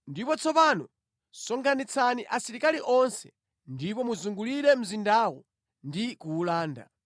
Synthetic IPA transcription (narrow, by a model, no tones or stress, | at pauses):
ndipɔt͡sʰɔpanɔ | sɔŋkʰanit͡sʰaniʔasiɾikaliʔɔnsɛ̥ | ndipɔmuzuŋɡuliɾɛm̩zindaːwɔ | ndikuːlaːnda̰